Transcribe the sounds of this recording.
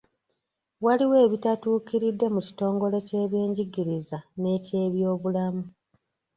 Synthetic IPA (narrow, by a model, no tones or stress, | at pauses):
waliwe̞ːβitatuːkiɾidːe̞muci̥to̞ːŋɡo̞le̞ce̞ːβje̞ːɲɟiɡiɾizane̞ːce̞ːβjo̞ːβulamu